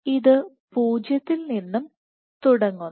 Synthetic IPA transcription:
iðɨ | puːd͡ʑjɐt̪ːilninːum | t̪uɽɐŋːu

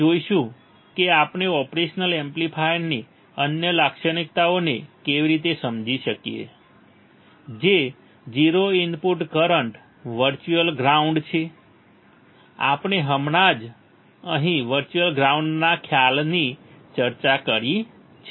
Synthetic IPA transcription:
d͡ʒoiʃũ | keapɳeɔpɾeʃnəlemplipʰajni | ənjəlakʃənik̚t̪aonekeʋiɾit̪esəmd͡ʒiʃəkiḛ | d͡ʒe | d͡ʒiɾoinpuʈkəɾəɳʈ | ʋəɾt͡ʃuəlɡɾauɳɖt͡ʃʰe | a̰pɳeɦəmɳad͡ʒ | əɦĩʋəɾt͡ʃuəlɡɾauɳɖnakʰjalnit͡ʃəɾt͡ʃakəɾi | t͡ʃʰe

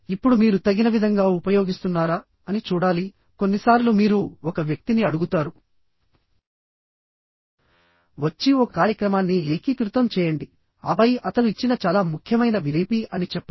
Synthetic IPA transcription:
ipːuɽumiːɾut̪ɐɡːinɐʋid̪ʱɐŋɡaːupɐjo̞ːɡist̪unːaːɾaː | ɐnit͡ʃuːɽaːli | ko̞nːisaːɾlumiːɾuɔkɐʋjɐk̚t̪iniɐɽuɡut̪aːɾu | ʋɐt͡ʃːiokaːɾjɐkɾɐmaːnːieːkiːk̪ɾut̪ɐmt͡ʃɛːjɐɳɖi | ɐ̰bɐjʔɐt̪ɐnuit͡ʃːinɐt͡ʃaːlaːmukʰjɐmɐjnɐʋileːpiʔɐnit͡ʃɛpːɐ

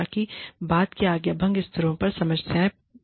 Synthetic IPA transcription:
kibaːd̪keaːɡjabʱə̃ŋɡɪst̪ʰəɾõpɐɾsɐməsjaːẽ

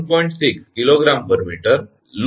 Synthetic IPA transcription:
pɔiɳʈsikskiloɡɾambəɾmiʈəɾ | l

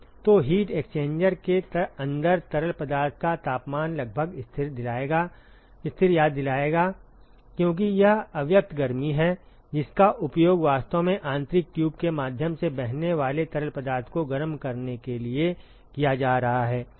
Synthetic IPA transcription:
t̪oɦiːʈekst͡ʃẽːɲd͡ʒəɾket̪ɐ̃nd̪əɾt̪ɐɾəlpɐd̪aːɾt̪ʰkat̪aːpmaːnlɐɡ̚bʱəɡɪst̪ʰɪɾd̪ɪlaːeɡa | ɪst̪ʰɪɾjaːd̪ːɪlaːeːɡaː | kjõːk̬ijɐɦɐʋjək̚t̪ʰɡɐɾmiɦɛ | d͡ʒɪskaʔʊpjoːɡʋaːst̪omẽʔãːnt̪ɾɪkʈjuːbkemaːd̪ʱjəmsebɛɦneʋaːlet̪ɐɾəlpɐd̪aːɾt̪ʰkoɡɐɾmkɐɾnekelie | kijad͡ʒaːɾɐɦaɦɛː

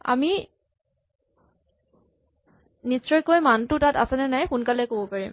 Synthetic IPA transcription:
a̰mi | nisɹɔjkojmantʊtata̰sɛnɛnajxunkalɛkobɔpaɹim

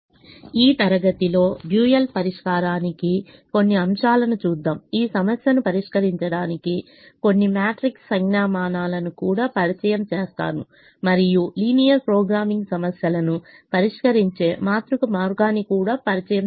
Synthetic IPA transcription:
iːt̪ɐɾɐɡɐt̪ilo̞ːbjuːjɐlpɐɾiʂkaːɾaːnikiko̞nːiɐmʂaːlɐnut͡ʃuːd̪ːaːmiːsɐmɐsjɐnupɐɾiʂkɐɾiɲt͡ʃɐɽaːniki | ko̞nːimjaːʈɾiksːɐŋɡnaːmaːnaːlɐnukuːɽaːpɐɾit͡ʃɐjɐmt͡ʃeːst̪a̰ːnu | mɐɾijuliːnijɐɾpɾɔːɡɾaːmiŋɡsɐmɐsjɐlɐnupɐɾiʂkɐɾiɲt͡ʃe̞ːmaːt̪ɾukumaːɾɡaːnikuːɽaːpɐɾit͡ʃɐjɐm

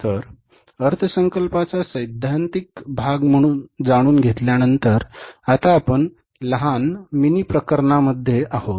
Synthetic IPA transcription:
t̪əɾ | əɾt̪ʰəsəŋkəlpat͡sasəjd̪ʱːant̪ik̚bʱaɡm̤əɽ̃uːnd͡zaɽ̃uːnɡʱet̪ljanənt̪əɾat̪aːpəɳ | ləɦanminipɾəkəɾɳaməd̪ʱːjeʔahot̪

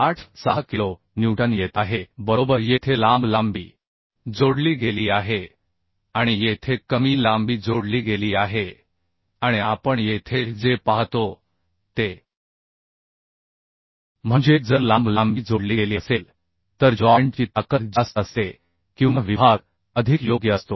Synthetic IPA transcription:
aʈʰsaɦkilo | njuwʈənjet̪aɦebəɾobəɾjet̪ʰelãmblambḭː | d͡zoɽliːɡeliːaɦe | aɽ̃ijet̪ʰekəmiːlambiːd͡zoɽliːɡeliːaɦe | aɽ̃iapəɳjet̪ʰed͡zepaɦt̪o | t̪e | m̤əɳd͡ʑed͡zəɾlãmblambiːd͡zoɽliːeliəsel | t̪əɾd͡ʑɔjeɳʈt͡ɕiːt̪akət̪d͡ʑasəse | kĩw̃ʋaʋibʱaɡ | əd̪ʱikjoɡjəəst̪o

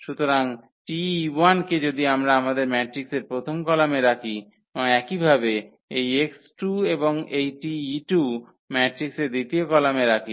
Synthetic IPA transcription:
ʃut̪oɾaŋ | ʈianked͡ʑod̪iamɾaamad̪eɾmɛʈɾikseɾpɾot̪ʰomkɔlameɾakʰi | ɔɛkibʱabe | ejeksʈueboŋejʈiʈu | mɛʈɾikseɾd̪it̪iokɔlameɾakʰi

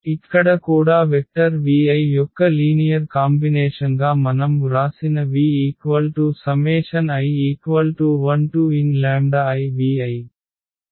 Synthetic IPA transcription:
ikːɐɽɐkuːɽaːʋek̚ʈɐɾʋiːɐjjɔkːɐliːnijɐɾkaːmbineːʂɐnɡaːmɐnɐmɾaːsinɐʋiːiːkʋɐlʈusɐmɛːʂɐnɐjiːkʋɐlʈuʋɐnʈuinlaːɳɖaɐjʋiːɐj

